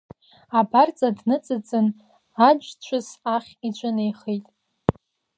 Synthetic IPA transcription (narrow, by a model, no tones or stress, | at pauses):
abart͡sʼadnɨt͡sʼɨt͡sʼɨn | ad͡ʒʷt͡ɕʷʰʊsaχʲit͡ɕʷʼanejχejtʼ